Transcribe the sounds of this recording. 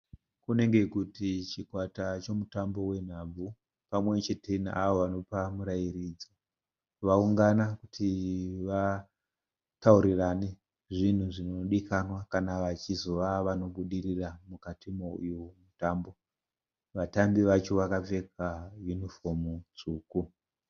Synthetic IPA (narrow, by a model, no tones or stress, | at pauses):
kune̞ŋɡe̞kutit͡ʃikwatat͡ʃomutambo̞we̞n̤ab͡vʱu | pamwe̞t͡ʃe̞te̞na̰aʋoʋano̞pamuɾajirid͡zo | ʋauŋɡanakutʰiʋa | tauɾirane̞ | ʐin̤uʐinoɗikanwakanaʋat͡ʃizo̞ʋaʋano̞ɓuɗiriramukatʰimoujomutambo̞ | ʋatambiʋat͡ʃo̞ʋakab͡ve̞kajunifo̞mut͡suːku